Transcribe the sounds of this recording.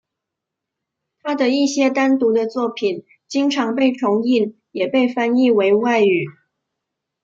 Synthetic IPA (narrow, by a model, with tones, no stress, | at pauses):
t̪ʰa˥d̪ə˨i˥˩ɕjɛ˥t̪a˥nt̪u˧˥d̪ə˧t͡swɔ˥˩pʰi˨˩n | t͡ɕi˥ŋʈ͡ʂʰɑ˧˥ŋpe˥˩ɪʈ͡ʂʰʊ˧˥ŋi˥˩n | jɛ˨˩pe˥˩ɪfa˥ni˥˧we˧˥ɪwa˥˩ɪy˨˩˦